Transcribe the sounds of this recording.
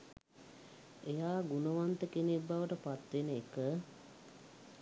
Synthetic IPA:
ejaːɡunəʋant̪əkenebːaʋəʈəpat̪ʋenəekə

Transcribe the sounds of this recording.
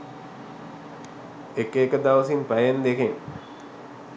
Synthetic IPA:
ekeːkəd̪aʋəsimpæjend̪ekeŋ

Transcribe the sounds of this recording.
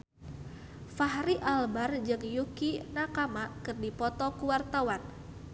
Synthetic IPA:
faɦɾiʔalbard͡ʒɨŋjukinakamakɨrdipɔt̪ɔkuwart̪awan

